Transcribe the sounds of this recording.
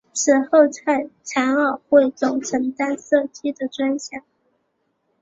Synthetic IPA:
ʂʰɻ̩˥˩xo˥˧ʊt͡sʰa˥˩ɪt͡sʰa˧˥nə˨˩xwe˥˩ɪt͡sʊ˨˩ŋʈ͡ʂʰɤ˧˥ŋt̪a˥nsɤ˥˩t͡ɕi˥d̪ə˨ʈ͡ʂwa˥nɕjɑ˨˩˦ŋ

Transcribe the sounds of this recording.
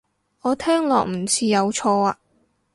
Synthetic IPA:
ŋɔː˨˧t̪ʰɛː˥ŋlɔ̰ː˨k̚m̩˨˩t͡sʰiː˧jɐ˨˧wt͡sʰɔː˧aː˧

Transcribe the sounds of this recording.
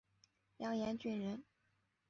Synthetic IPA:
ljɑ˧˥ŋjɛ˧˥nt͡ɕy˥˩nɻə˧˥n

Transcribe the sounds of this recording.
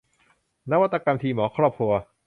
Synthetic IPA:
na˦˥wa˧˩t̪ːa˧ka˧mt̪ʰiː˧mɔː˩˦kʰɾɔː˧˩p̚ʰu˧ɐ

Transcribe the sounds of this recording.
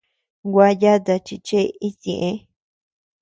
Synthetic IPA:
ɡʷa˧˦ja˦t̪a˧t͡ʃi˧t͡ʃe˦i˦sĩ˨ʔẽ˦

